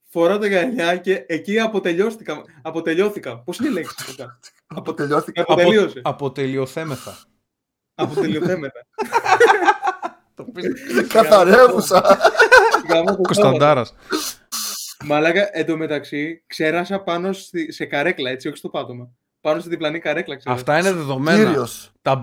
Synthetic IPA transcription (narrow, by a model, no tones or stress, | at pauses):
fo̞ɾɐt̪oɣɐʎɐce̞ːciɐpo̞t̪e̞ʎo̞st̪ikɐm | ɐpo̞t̪e̞ʎo̞θikɐpo̞sineile̞ksi̥sot̪ɐ | ɐpot̪eʎoɐɐpot̪elioseɐpot̪elioθe̞meθɐ | ɐpot̪elioθe̞meθɐ | t̪opikɐθɐɾevusɐ | kɐmɐsokost̪ɐnd̪ɐɾɐs | mɐlɐɣɐʔend̪ome̞t̪ɐksikse̞ɾɐsɐpɐno̞st̪isekɐɾe̞klɐe̞t͡sio̞çi̥st̪o̞pɐt̪o̞mɐ | pɐnosit̪iblɐnikɐɾe̞klɐkseɐfst̪ɐineðeðo̞menɾost̪ɐ